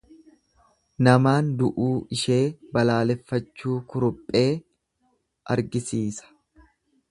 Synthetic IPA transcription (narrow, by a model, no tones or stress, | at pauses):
nɐmaːnd̪ʊʔuːʔɪʃe̞ːbɐlaːlɛfːɐt͡ʃːuːkʊɾʊpʼːe̞ː | ʔɐ̰ɾɡɪsiːsɐ̥